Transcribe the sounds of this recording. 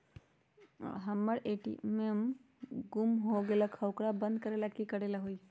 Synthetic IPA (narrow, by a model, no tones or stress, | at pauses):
ɦəmːəɽeʈḭmem | ɡumɦoɡelakʰəwkɾabə̃nd̪̚kəɾelakikəɽelaɦoi